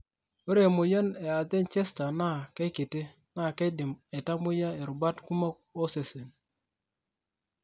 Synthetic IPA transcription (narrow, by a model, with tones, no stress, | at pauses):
o˦ɾe˨mo˨ja˦ne˨a˨t̪e˦nt͡ʃe˦sta˨na˦˨ke˦kɪ˨tɪ˦ | na˦˨ke˦dɪ˨me˨ta˦mʊ˦ja˦e˨ɾʊ˨ba˦tku˦ma˦ | o˦se˨se˨n